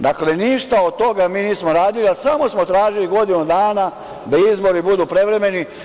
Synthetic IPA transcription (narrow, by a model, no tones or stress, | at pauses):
d̪akle̞niʃt̪aod̪̚t̪o̞ɡamiːniːsmoɾaːd̪iliasamo̞smo̞t̪ɾaːʒiliɡo̞d̪inud̪aːna | d̪aizbo̞ɾibud̪upɾe̞ʋɾe̞me̞ni